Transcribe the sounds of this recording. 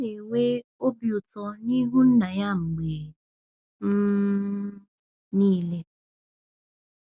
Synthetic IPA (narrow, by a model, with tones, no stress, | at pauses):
e˨we˦o˦bjo˨tɔ˦ni˦ɦu˦n̩˦na˨ja˦˨ŋ͡m̩˨ɡ͡beː˨˦ | niː˦le˦